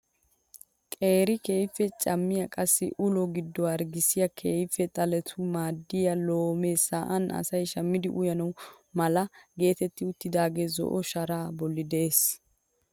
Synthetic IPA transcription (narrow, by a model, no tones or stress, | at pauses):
kʼe̞ːɾɪke̞ːjfːɛt͡ʃʼɐmːɪjɐkʼɐsːɪ̰ʔʊlɔɡɪd̪ːɔwaɾɡɪsɪjɐkʰeːjfːɛt̪ʼɐlɛt̪ʰʊmaːd̪ːɪjɐlo̞ːme̞ːsaʔɐnɐ̰sɐjʃɐmːɪd̪ɪʔʊjɐnɐw | mɐlɐɡe̞ːt̪ɛt̪ːɪʊt̪ːɪd̪aːɡeːzɔ̰ʔɔʃɐɾaːbɔlːɪd̪eːs